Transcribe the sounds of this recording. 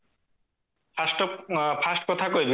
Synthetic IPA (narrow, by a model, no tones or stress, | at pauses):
pʰasʈɔpʰasʈkɔt̪ʰakɔjbi